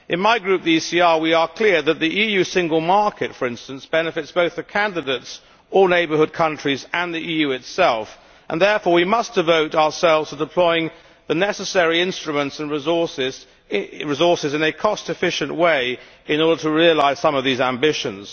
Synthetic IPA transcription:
ʔɨ̃nmaɪɡɹʉp̚ðiisiɑɹwiə˞kʰl̥ɪɹðɨt̪̚ðiʔijʉsɪ̃ŋɡəl̩ˠmɑɹkɨtfə˞ɪ̃nstɨ̃nsb̥ɛnɨfɨtsb̥oʊθðɨkʰæ̃ndɨdeɪts | əneɪbə˞hʊd̚kʰʌ̃nt͡ʃɹ̥izɨ̃nðiʔijʉɨtsɛlˠf | ʔə̰̃nðɛɹfɔɹwimʌsd̥ɨvoʊɾaʊəsɛlˠvz̥tʰədəpʰl̥ɔɪɪ̃ŋ | ðɨnɛsəsɛɹiɪ̃nstɹ̥ɨmə̃ntsɨ̃nɹɪzɔsɪz | ɹɨzɔɹsɨzɨ̃nɨkʰɔstɨfɪʃɨ̃nʔweɪ | ɨ̃nɔɹɾə˞ɾəɹiɨlaɪz̥sʌ̃mʌvðizæ̃mbɪʃɨ̰̃nz̥

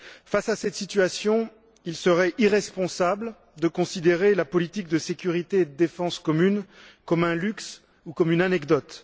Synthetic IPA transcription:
fasasɛt̪sit̪ɥasjɔ̃ | ilsəʁɛʔiʁɛspɔ̃sabl | d̪əkɔ̃sid̪eʁelapɔlit̪ik̚d̪əsekʲyʁit̪eːd̪əd̪efɑ̃skɔmynkɔmɛ̃lyks | ukɔmynanɛkd̪ɔt̪

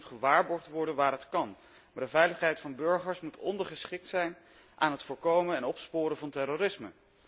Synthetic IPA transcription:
tχəʋaːɹbɔɹχtʋɔɹdənʋaːɾɦətkɑn | maːɹdəvɛjləχɦɛjtfɑnbɵɹχəɹsmutɔ̰ndəɹχəsχɪk̚tsɛjn | ʔaːnɦətfʊːɹkowməɛnɔpspʊːɾəvɑntɛrorɪsmə

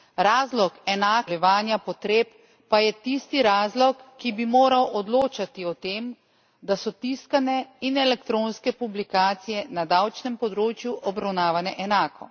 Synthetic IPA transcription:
ɾaːzlɔkɛnaːkɛʋaːnjapɔt̪ɾeːpː | ajɛt̪ist̪iɾaːzlɔkːibimoːɾawʔɔd̪loːt͡ʃat̪iɔt̪eːm | d̪asɔt̪iskanɛinɛlɛkt̪ɾoːnskɛpublikaːt̪sijɛnad̪awt͡ʃnɛmpɔd̪ɾoːt͡ʃjuʔɔbɾawnaːʋanɛʔɛnaːkʰɔ̰

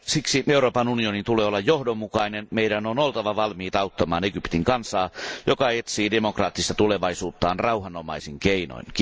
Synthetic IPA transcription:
siksieuroːpɑnunionint̪uleːolːɑjjohdomːukɑinenmeidænonolt̪ɑʋɑʋɑlmiːt̪ɑut̪ːɑmɑ̰ːneɡypt̪iŋkɑnsɑːjokɑet̪siːdemokrɑːt̪ːist̪ɑt̪uleʋɑisuːt̪ːɑːnrɑuɦɑnomɑisiŋkeino̰in

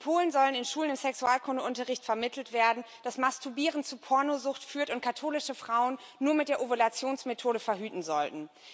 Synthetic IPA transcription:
pʰoːlənzɔlənɪnʃuːlənɪmsɛksuaːlkʰʊndəʔʊntɐʁɪçtfɛɐmɪtʰl̩tv̥eːɐdn̩ | d̥asmastʰubiːʁən̩t͡suːɐpʰɔɐnozʊxtfyːɐtʊnt̚kʰatʰoːlɪʃəfʁ̥aʊənːuːɐmɪt̚d̥eːɐʔovolat͡sjoːnsmetʰoːɾəfɛɐɦyːtn̩zɔltn̩

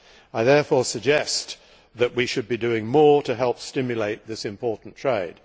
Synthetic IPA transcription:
aɪðɛɹfɔɹsɨɡ̚d͡ʒɛs | ðɨʔ̚wiʃɨd̚bidʉɪ̃ŋmɔɹɾɨɦɛlˠpstɪ̃mjɨleɪt̪̚ðɪsɨ̃mpʰɔɹʔn̩tʰɹ̥eɪd̥

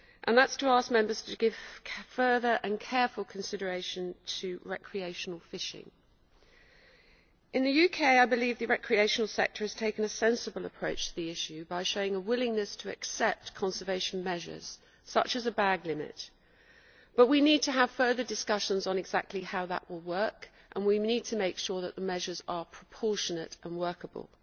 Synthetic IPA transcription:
ʔə̃nðətstʰəɑˑsk̚mɛ̃mbəz̥tʰəɡɪv̥fɜːðə˞ʔə̃nkʰɛːfəlˠkʰə̃nsɪɾə˞eɪʃə̃ntʰəɹɛkʰɹ̥ieɪʃənl̩ˠfɪʃɪ̰̃ŋ | ʔɨ̃nðɨjʉkʰeɪaɪbɨlivðəɹɛkʰɹ̥ieɪʃənl̩ˠsɛ̰k̚tʰə˞ɨz̥tʰeɪkə̃nəsɛ̃nsəbəlˠəpʰɹ̥əʊt͡ʃtʰəðiɪʃʉbaɪʃəʊɪ̃ŋəwɪlɪ̃ŋnəstʰəɛ̰ksɛp̚tkʰɒ̃nsəveɪʃə̃nmɛʒə̰z̥ | sʌ̰t͡ʃəzəbaɡlɪmɪ̰t | b̥ʌʔwiniːd̚tʰəəv̥fɜːðədɪskʌʃə̃nzn̩ɪɡz̥a̰k̚tʰˡlihaʊðə̰ʔwɪlˠwɜˑk | ʔə̃nwinid̚tʰəmeɪkʃɔːðəʔðəmɛʒəzəpʰɹ̥əpʰɔˑʃənətə̃nwɜˑkəbə̰lˠ

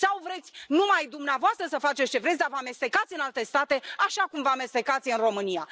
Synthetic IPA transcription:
sawvɾe̞t̪sʲnumajd̪umneavoast̪ɾəsəfat͡ʃe̞t̪sʲt͡ʃe̞vɾetsʲd̪avəame̞st̪e̞kat̪sʲɨnalt̪e̞st̪at̪e̞aʃakumvəame̞st̪e̞kat̪sʲɨnro̞mɨnija

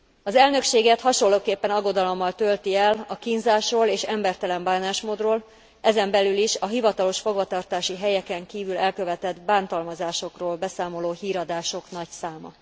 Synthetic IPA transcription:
ɒzɛlnø̞kʃeːɡɛt̪hɒʃo̞lːoːkeːpːɛnɒɡo̞d̪ɒlo̞mːɒlt̪ølt̪iɛlɒkinzaːʃroːleːʃɛmbɛrt̪ɛlɛmbaːnaːʃmoːd̪roːl | ɛzɛmbɛlyliʃɒɦivɒt̪ɒlo̞ʃfo̞ɡvɒt̪ɒrt̪aːʃiɦɛjɛkɛŋkiːvylɛlkø̞vɛt̪ɛd̪baːnt̪ɒlmɒzaːʃo̞kroːlbɛsaːmo̞loːhiːɾɒd̪aːʃo̞knɒcsaːmɒ̰

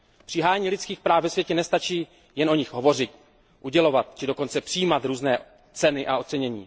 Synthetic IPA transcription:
pr̝̥ɪɦaːjɲiːlɪtt͡skiːxpɾaːfvɛsvjɛcɛnɛst̪at͡ʃiː | jɛnʔo̞ɲɪxɦo̞vo̞r̝ɪt̪ | ʔuɟɛlo̞vat̪̚t͡ʃɪdo̞ko̞nt͡sɛpr̥ijiːmat̪ɾuːznɛː | t͡sɛnɪʔao̞t͡sɛɲɛɲḭː

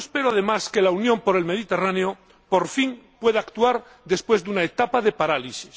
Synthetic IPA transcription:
espe̞ɾoaðemaskelaunjõ̞mpo̞ɾe̞lme̞ðit̪e̞raneo | po̞ɾfiŋpwe̞ð̞aːkt̪uaɾ | d̪e̞spwe̞zðunaet̪apaðe̞paɾalisis

